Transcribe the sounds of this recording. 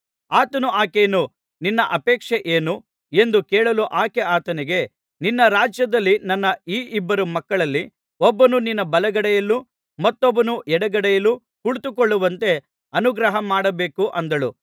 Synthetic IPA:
aːt̪ɐnuaːkeːnu | ninːɐʔɐpɛːkʂeʔeːnu | e̞nd̪ukɛːɭɐluʔaːkeaːt̪ɐniɡe̞ | ninːɐɾaːd͡ʒjɐd̪ɐlːinɐnːɐiːʔibːɐɾumɐkːɐɭɐlːi | obːɐnuninːɐbɐlɐɡɐɽɛjɐlːu | mɐt̪ːobːɐnuʔɛɽɐɡɐɽɛjɐlːu | kuɭt̪ukoɭːuʋɐnt̪e̞ | ɐnuɡɾɐɦɐmaːɽɐbe̞ːkuʔɐnd̪ɐɭu

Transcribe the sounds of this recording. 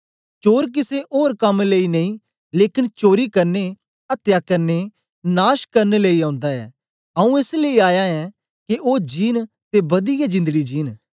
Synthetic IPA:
t͡ʃoːɾk̬ɪseʔoːɾkɐmleːinɐĩː | leːkɪnt͡ʃoːɾikɐɾne | ɐt̪jaːkɐɾne | naːʃkɐɾneleːiãːʊ̃nd̪aɛ̰ː | ɐũeːsleːiaːjaɛː | keʔoːd͡ʒiːn | t̪ebɐd̪ɪjad͡ʒɪ̃nd̪əɡid͡ʒiːn

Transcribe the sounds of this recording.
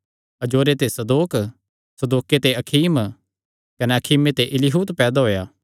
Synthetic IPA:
ɐd͡ʒoːɾet̪esɐd̪oːk | sɐd̪oːket̪eɐkʰiːm | kɐneɐkʰiːmet̪eʔɪlɪɦuːt̪pɛːd̪aɦoːjaː

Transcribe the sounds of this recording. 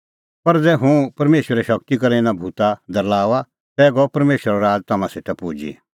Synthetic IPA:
pɐɾd͡zɛːɦũpɐɾmeːʃəɾɛʃɐkt̪ikɐɾenãbʱuːt̪ad̪ɐɾlaːʋa | t̪ɛːɡɔpɐɾmeːʃəɾaɾaːd͡ʒt̪ɐmãsɪʈ̪ʰɛpuːd͡ʒḭ

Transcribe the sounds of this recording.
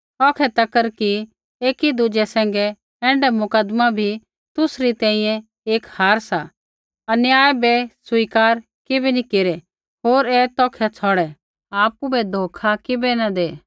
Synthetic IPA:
ɔːkʰɛt̪ɐkəɾki | eːkid̪ʊd͡ʒɛsɛ̃ːŋ̆ɡɛ | ɛ̃ːɳɖɛmʊkəd̪mabʱi | t̪ʊsɾit̪ɛ̃ːĩjɛ̃ | eːkhaːɾsa | ɐnɪjaːjbɛsʊiːkaːɾ | kɪbɛnikeːɾɛ | ɦoːɾɛt̪ɔːkʰɛt͡sʰɔːɽɛ | aːpubɛd̪ʱoːkʰakɪbɛnɐd̪eː

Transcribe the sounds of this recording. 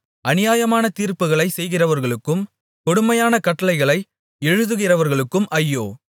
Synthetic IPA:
ʔɐnɪjaːjɐmaːnɐt̪iːɾpɯɣɐɭɐɪsɛjɣɪrɐʋɐɾɣɐɭɯkːɯm | kɔɽʊmɐjaːnɐkɐʈːɐlɐɪɣɐɭɐɪ | ɛɻɯðɯɣɪrɐʋɐɾɣɐɭɯkːɯmʔɐjːoː

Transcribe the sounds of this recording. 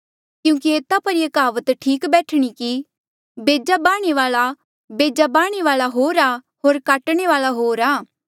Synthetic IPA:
kjũːkieːt̪apɐɾjɐkaːʋət̪ʈʰiːkbɛːʈʰɽ̃iki | beːd͡ʒabaːɽ̃eʋaːla | beːd͡ʒabaːɽ̃eʋaːlaɦoːɾaː | ɦoːɾkaːʈɽ̃eʋaːlaɦoːɾaː

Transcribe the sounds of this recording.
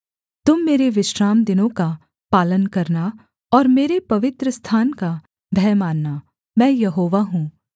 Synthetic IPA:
t̪ʊmːeːɾeʋɪʃɾaːmd̪ɪnõka | paːlənkɐɾna | ɔːɾmeːɾepɐʋɪt̪ɾəst̪ʰaːnka | bʱɛːmaːnːa | mɛ̃ːjɐɦoːʋaɦũː

